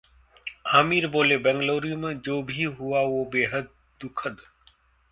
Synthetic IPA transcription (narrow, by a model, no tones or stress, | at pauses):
aːmiːɾboːleːbɛ̃ŋɡloːɾijʊmd͡ʒoːbʱiɦʊaːʋoːbeːɦəd̪̚ | d̪ʊkʰəd̪